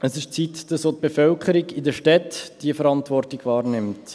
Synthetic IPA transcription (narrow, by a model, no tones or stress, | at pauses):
əsɪʃt͡sitd̥ɑsoːt̪̚b̥efœlkʰəɾiɡɪd̪əʃtɛtd̥iəfəɾɑntvɔrtɪɡ̥ʋɑːrnɪmt